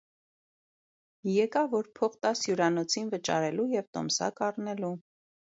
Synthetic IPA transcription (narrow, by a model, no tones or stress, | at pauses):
jɛkɑvɔɾpʰɔχt̪ɑsjuɾɑnɔt͡sʰinvət͡ʃɑ̰ɾɛlujɛvt̪ɔ̰msɑ̰kɑrnɛlu